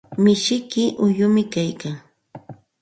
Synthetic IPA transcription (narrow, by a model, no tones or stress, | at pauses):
mɪʃɪkɪʔʊjʊmɪkajkaŋ